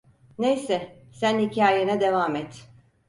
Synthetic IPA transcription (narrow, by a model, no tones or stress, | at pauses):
nejsɛsænhicʰaːjenɛd̪e̞vaːmɛt̪